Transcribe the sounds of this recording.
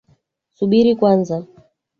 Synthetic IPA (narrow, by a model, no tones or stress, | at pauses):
suɓiɾikwanza